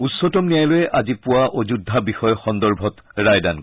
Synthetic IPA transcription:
utsːɔtɔmnijajlojɛʔazipʊwaʔod͡ʒudʱabixɔjɔxɔnd̪ɔɹbʱɔtɹajdan

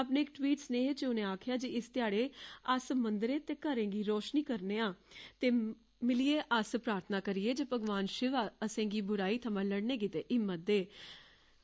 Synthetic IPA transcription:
ap̬nẽːɪk̚ʈwiːʈsnẽːt͡ʃʊnẽːaːkʰɪjaːd͡ʒiɪst̪ɪjaːɽeːəsmənd̪ɾẽːt̪eːkəɾẽːɡiːɾɔːʃniːkəɾneːãːt̪eː | mɪlɪeːʔəspɾaːɾt̪ʰənaːkəɾijeːd͡ʒeːpəɡʋaːnʃɪʋaːəsẽːɡiːbʊɾaːiːt̪ʰəmə̃ːləɽnẽːɡiːt̪eːʔɪmːət̪̚d̪eː

